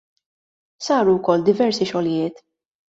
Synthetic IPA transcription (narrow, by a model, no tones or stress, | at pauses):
sɐːɾuwkɔlːd̪ɪvɛɾsiʃɔljɪːt̪